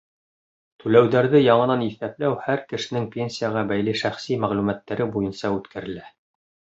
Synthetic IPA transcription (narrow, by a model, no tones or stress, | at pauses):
t̪ʉlæwðæɾðɘjɑɴɤ̆nɑniθæplæwhæɾkɘ̆ʃɘ̆nɘŋpʲenʲsʲijaʁɑbæjliʃæχsimæʁlʉmæt̪ːæɾɘbujɤ̆nsɑʉt̪kʰæɾɘ̆læ